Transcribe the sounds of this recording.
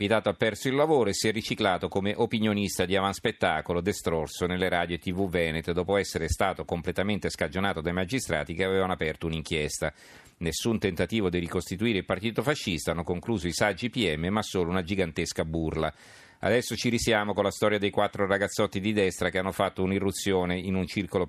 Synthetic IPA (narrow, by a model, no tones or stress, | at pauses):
vit̪aːt̪oapːɛrsoilːavoːɾoesiɛrːit͡ʃiklaːt̪okomeʔopinjonist̪ad̪iavanspet̪ːaːkolod̪est̪ɾorsonelːeɾaːd̪joet̪ːivuvɛːnet̪d̪ɔːpoɛsːeɾest̪aːt̪okomplet̪ament̪eskad͡ʒonaːt̪od̪ajmad͡ʒist̪ɾa̰ːt̪ikeavevanoapɛrt̪ouniŋkjɛst̪a | nesːunt̪ent̪at̪iːvod̪irikost̪it̪uiːɾeilpart̪iːt̪ofaʃːist̪aanːokoŋkluːzoisad͡ʒipiɛmːemasːoːlounad͡ʒiɡant̪eskaburla | a̰d̪ɛsːot͡ʃiɾisjaːmokonlast̪ɔːɾjad̪ejkwat̪ːɾoraɡat̪sːɔt̪ːid̪id̪ɛst̪ɾakeanːofat̪ːounirːut̪sːjoːneinunt͡ʃirkolo